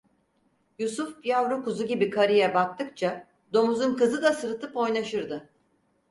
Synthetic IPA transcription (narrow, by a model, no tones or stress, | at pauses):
jusufjavɾukuzuɟibikʰaɾijɛbak̚t̪ʰɯk̚t͡ʃʰa | d̪o̞muzunkɯzɯd̪asɯɾt̪ʰɯpo̞jnaʃɯɾd̪ɯ